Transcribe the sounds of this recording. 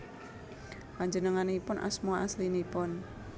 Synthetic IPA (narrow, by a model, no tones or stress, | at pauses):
paɲd͡ʒənəŋanipʊnʔa̰smuaʔaslinipʊn